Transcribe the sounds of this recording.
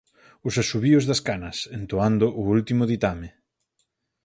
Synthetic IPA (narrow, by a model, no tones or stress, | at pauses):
ʊsasuβiʊzðɐskanɐsent̪oand̪ʊʔʊult̪imʊð̞it̪amɪ